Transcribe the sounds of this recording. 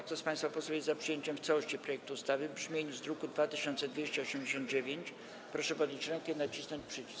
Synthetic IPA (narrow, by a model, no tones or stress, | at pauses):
kt̪ɔspãj̃st̪fapɔswɛjɛzzapʂɨjeɲt͡ɕɛmft̪sawɔɕt͡ɕipɾɔjɛk̚t̪uːst̪avɘbʐmʲjeɲuzd̪ɾukud̪vat̪ɘɕɔ̃nt̪sɛd̪vʲjɛɕt͡ɕɛɔɕɛmd͡ʑeɕɔnd̪̚d͡ʑevʲjeɲt͡ɕ | pɾɔʂɛpɔd̪ʲɲʲit͡ɕɾɛŋkʲɛnat͡ɕisnɔɲt͡ɕʲpʂɘt͡ɕi̥s